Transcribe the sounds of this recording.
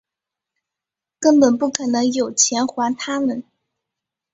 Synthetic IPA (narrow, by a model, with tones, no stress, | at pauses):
kə˥npə˨˩npu˥˩kʰɤ˨˩nɤ˧˥ŋjo˨˩ʊt͡ɕʰjɛ˧˥nxwa˧˥nt̪ʰa˥mə˨n